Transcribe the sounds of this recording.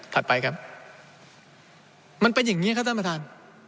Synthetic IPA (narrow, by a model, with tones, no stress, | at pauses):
t̪ʰa˨˩t̪̚pa˧jkʰa˦˥p̚ | ma˧npa˧jːa˨˩ŋːiː˦˥kʰa˥t̪ʰa˧˥˩pa˧t̪ʰaː˧n